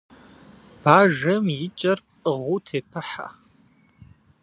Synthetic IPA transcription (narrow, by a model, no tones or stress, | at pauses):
b̥aːʒɐmjɪt͡ʃʼɐrpʼʁʷʊtʰeːpʰɨħa̰